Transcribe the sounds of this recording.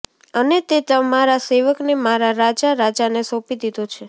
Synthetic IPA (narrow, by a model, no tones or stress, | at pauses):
ənet̪et̪əmaɾaseʋəknemaɾaɾad͡ʒaɾad͡ʒanesõpid̪id̪ot͡ʃʰe